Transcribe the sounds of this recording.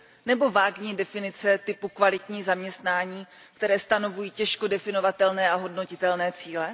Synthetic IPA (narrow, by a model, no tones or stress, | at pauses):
nɛbo̞vaːɡɲiːdɛfɪnɪt͡sɛt̪ɪpukvalɪt̪ɲiːzamɲɛst̪naːɲiː | kt̪ɛɾɛːst̪ano̞vujiːcɛʃko̞dɛfɪno̞vat̪ɛlnɛːaɦo̞dno̞cɪt̪ɛlnɛːt͡siːlɛ